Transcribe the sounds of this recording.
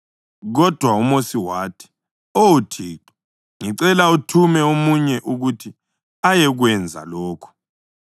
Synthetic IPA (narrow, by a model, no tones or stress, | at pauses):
ɣɔd̥ʱwaumosiwaːtʰi̥ | owutʰiːǃwḁ | ŋiǀɛlautʰumɛomuɲɛʔuɣutʰi | ajɛɣwɛnd͡zʱa̰lɔːkʰɔ̥